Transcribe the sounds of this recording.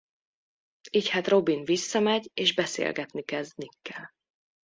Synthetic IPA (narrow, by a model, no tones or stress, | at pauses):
iːchat̪ro̞binvisːɒmɛɟeːʒbɛsḛːlɡɛt̪nikɛzd̪nikːɛl